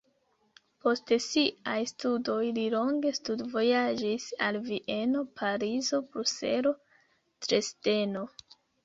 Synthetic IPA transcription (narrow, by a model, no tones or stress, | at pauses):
po̞stsiʔajstudo̞jlilo̞ŋɡe̞studvo̞jad͡ʒisalviʔe̞no̞pʰaɾizo̞bɾuse̞̰ɾo̞ | tɾe̞ste̞no̞